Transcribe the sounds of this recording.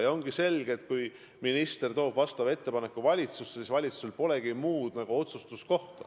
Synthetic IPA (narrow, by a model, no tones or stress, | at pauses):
jo̞ŋɡ̥ise̞lɡ̥et̪̚kuj | minist̪e̞rt̪o̞ːb̥vɑst̪ɑve̞t̪ːe̞pɑne̞kːˑuvɑlʲit̪susːesisvɑlʲit̪su̥se̞lpo̞le̞ɡimuːd̪̥nɑɡ̥uo̞t̪sust̪usko̞ht̪ɑ